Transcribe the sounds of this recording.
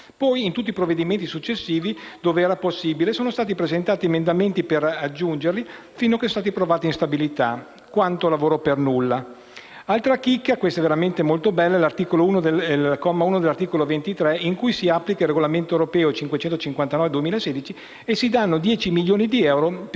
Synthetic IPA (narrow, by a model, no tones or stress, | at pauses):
pɔjint̪ut̪ːipɾovːed̪iment̪isut͡ʃːesːiːvid̪̥oːveɛːɾaposːiːbilesoːnost̪aːt̪̬ipɾezent̪aːt̪iemend̪ament̪iperad͡ʒːund͡ʒerli | finːokest̪aːt̪ipɾovaːt̪inst̪abilit̪a | kwant̪olavoːɾopernulːa | alt̪ɾakikːakwest̪aveɾament̪emolt̪obɛlːaɛlart̪iːkolouːnod̪eɛlkɔmːauːnod̪elːart̪iːkolovent̪it̪ɾɛiŋkujsiapːlikailrːeɡolament̪oewɾopɛːot͡ʃiŋkwet͡ʃɛnt̪ot͡ʃiŋkwant̪anɔːved̪uemiːlaeseːd̪it͡ʃi | esid̪anːod̪jɛːt͡ʃimiljoːnid̪iɛwɾo